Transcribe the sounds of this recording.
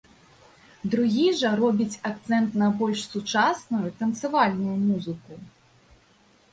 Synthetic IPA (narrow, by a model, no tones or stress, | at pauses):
d̪ɾuɣʲiʐɐɾɔbʲit͡sʲakt̪sɛnt̪nɐbɔlʲʂsut͡ʂasnujut̪ɐnt̪sɨvalʲnujumuzɨku